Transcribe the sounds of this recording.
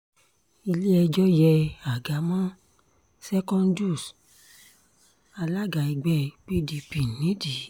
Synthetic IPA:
i˧li˦ɛ˧d͡ʒɔ˦jɛ˧a˨ɡa˨˦mã˦ | sɛ˦kɔ̃˦ndu˦˨s | a˧la˦ɡa˨i˧ɡ͡bɛ˦pi˦di˧pi˨nĩ˨˦di˨˦

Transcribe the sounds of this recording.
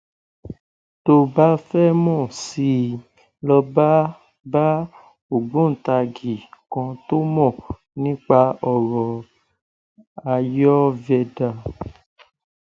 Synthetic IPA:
to˧ba˦fɛ˦mɔ̃˦˨si˧ | lɔ˧ba˦ | ba˦ | o˨ɡ͡bũ˦n̩˨ta˧ɡi˨kɔ̃˧to˦mɔ̃˦˨ | nĩ˦k͡pa˧ɔ˨ɾɔ˨ | a˧jɔ˦vɛ˧da˨

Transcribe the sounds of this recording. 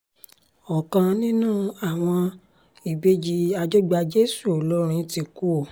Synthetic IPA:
ɔ˨kã˧nĩ˦nũː˦˨a˨w̃ɔ̃˧ | i˨be˦d͡ʒi˧a˧d͡ʒo˦ɡ͡ba˧d͡ʒe˦su˦˨o˨lɔ˦ɾ̃ĩ˧ti˧ku˦o˦˨

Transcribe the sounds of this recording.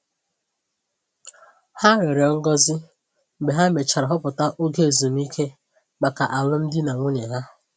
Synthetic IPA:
ha˦ɾe˨ɾe˨ɔ˦ŋ̩˦ɡɔ˦zɪ˦˨ | be˨ɦa˦me˨t͡ʃa˨ɾa˨ɦɔ˦pʊ˨ta˦ʔo˦ɡe˦˨zu˨m˦i˦kʰe˦ | ma˨ka˨ʔa˨lʊ˦m̩˦dɪ˦na˨ŋʷʊ˦ɲe˨ɦa˦

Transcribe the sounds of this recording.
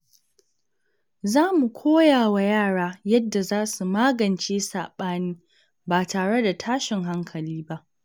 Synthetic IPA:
zaː˦mu˨kʷʰoː˦jaː˨wa˨jaː˦˨ɽaː˦jɐ˦dːa˨zaː˦su˨maː˦ɡɐ˨nt͡ʃeː˦saː˨ɓaː˦niː˦ | baː˨taː˨ɽe˦da˨tʰaː˦ʃɪ˨ŋɦa˦ŋkʰɐ˨liː˦ba˦ʔ

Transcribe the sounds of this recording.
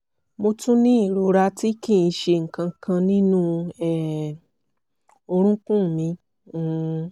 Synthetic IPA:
mo˧tũ˦nĩ˦i˦˨ɾu˧˨ɾa˧ti˦kĩ˦˨ĩ˧˦ʃe˧ŋ̩˨kã˧kʰã˧nĩ˦nũ˦ɛ˦˨ | o˧ɾ̃ũ˦kũ˦˨mĩ˧˦

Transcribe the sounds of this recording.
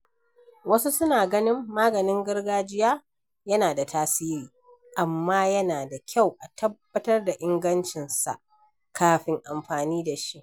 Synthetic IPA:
wɐ˦su˦sʊ˦naː˨ɡɐ˦nɪ˦mːaː˦ɡɐ˨nɪ˦ŋɡɐ˦rɡaː˦d͡ʒɪ˦jaː˦ | jɐ˦naː˨da˨taː˦siː˦ɾiː˨ | ʔa˨mːaː˦jɐ˦naː˨da˨kʲʰa˦˨wʔa˨tʰɐ˦bːɐ˦tɐ˦rda˨ʔɪ˦ŋɡɐ˦nt͡ʃɪ˨nsa̰˨ʔ | kaː˦ɸɪ˨ŋʔa˨mɸaː˨niː˦da˨ʃi˦ʔ

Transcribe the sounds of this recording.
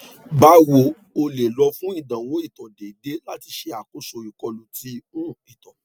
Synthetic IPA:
ba˦wo˧˨ | o˧le˨lɔ˧˦fũ˦i˦˨dã˨wɔ̃˨˦i˦˨tɔ̃˨de˨de˦la˦ti˧ʃe˧a˨ko˨˦so˧˨i˨kɔ˧lo˨ti˦mũ˦i˦˨tɔ̃˨

